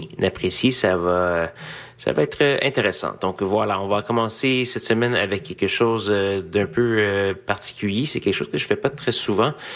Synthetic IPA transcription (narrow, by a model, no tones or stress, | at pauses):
napχesjisava | sa̰vaɛːt̪χəɛ̃t̪eʁesɑ̰̃d̪̥ɔ̃kvwalaɔ̃vakɔmɑ̃sesɛt̪səmɛna̰vɛkʲʰːɛlkəʃoːzød̪ɛ̃pøøpaʁt̪i̥kʲyljesɛkʲɛlkəʃo̰ːz̥kəʒəfɛpat̪χɛsuvɑ̃